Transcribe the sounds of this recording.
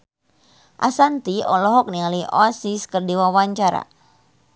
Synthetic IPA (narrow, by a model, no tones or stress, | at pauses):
ʔa̰sant̪iɔlɔɦɔk̚nialiʔɔsiskərdiwawaɲt͡ʃaɾa̰